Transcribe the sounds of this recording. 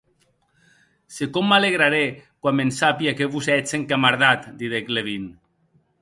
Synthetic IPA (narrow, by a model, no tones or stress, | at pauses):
sekɔmːaleɣɾaɾekwamensapiakeβuzɛt͡seŋkamaɾðat̪d̪iðekleβin